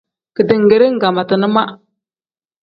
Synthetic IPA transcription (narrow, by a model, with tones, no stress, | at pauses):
kə˨dɨ˨ŋ˨ɡe˨ɾe˦ŋ̩˦˨ɡa˨ma˨tɨ˨nɨ˦ma˦